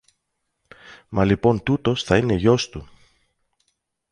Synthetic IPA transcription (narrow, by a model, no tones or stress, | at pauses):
mɐlipo̞nt̪ut̪o̞sθɐine̞ʝo̞st̪u